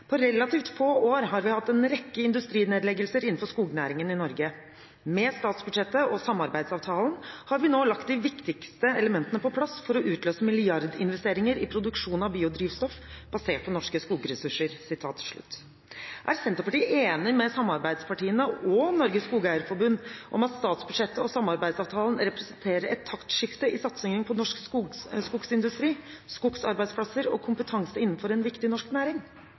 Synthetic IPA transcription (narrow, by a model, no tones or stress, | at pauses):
pʰɔɾɛlːɑt̪iːft̪foːoːɾɦɑɾʋɪhɑt̪ːɛnɾɛkːəɪnd̪ʉst̪ɾiːneːd̪lɛɡəlsəɾɪn̩ːfɔʂkuːɡnæːɾɪŋənɪnɔɾɡə | mɛst̪ɑːt̪sbʉd̪ʂɛt̪ːəɔsɑmːɑɾbæɪd̪sɑːʋt̪ʰɑːlənhɑɾʋɪnoːlɑkt̪d̪ɪʋɪkt̪ɪkst̪əɛləmɛnt̪ənəpɔpʰlɑsfɔɾɔʔʉːt̪løːsəmɪlɪɑɾd̪ɪ̰nʋɛst̪eːɾɪŋəɾɪpʰɾʊd̪ʉkʂuːnɑʋbiːʊd̪ɾiːʋst̪ɔfb̥ɑseːʈ̚pʰɔnɔʂkəskuːɡəɾɛsʉʂəɾsɪt̪ʰɑ̰ːt̪ːʂɭʉ̰t̪ː | ʔæ̰ɾsɛnt̪əpɑʈiːʔeːnɪmɛsɑmːɑɾbæɪd̪spʰɑʈiːənəɔnɔɾɡəsskuːɡəæːɾfɔɾbʉnd̪ʔɔ̰mɑt̪st̪ɑːt̪sbʉd̪ʂɛt̪ːəɔsɑmːɑɾbæɪd̪sɑːʋt̪ʰɑːlən̩ɾɛpɾɛsənt̪ʰeːɾəɛt̪ʰːɑkt̪ʂɪft̪əɪsɑt̪sɛŋəŋpʰɔnɔʂkskʊksɪnd̪ʉst̪ɾiːskʊksɑɾbæɪd̪spʰlɑsəɾɔ̰kʰʊmpət̪ʰɑŋsəɪnːn̩fɔɾɛnʋɪkt̪ɪnɔʂknæːɾɪŋ